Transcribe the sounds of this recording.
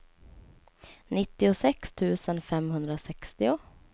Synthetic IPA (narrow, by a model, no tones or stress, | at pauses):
nɪt̪ːɪʊsɛkst̪ʰʉ̟ːsənfɛmhɵnd̪ɾasɛkst̪ɪʊ